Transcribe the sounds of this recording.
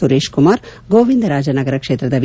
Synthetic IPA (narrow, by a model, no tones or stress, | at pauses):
uɾeːʃkumaːɾɡoːʋind̪ɐɾaːd͡ʒɐnɐɡɐɾɐkʂeːt̪ɾɐd̪ɐʋ